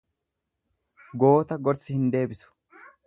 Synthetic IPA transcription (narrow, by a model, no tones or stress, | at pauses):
ɡo̞ːt̪ɐɡɔɾsɪhɪnd̪e̞ːbɪsʊ̥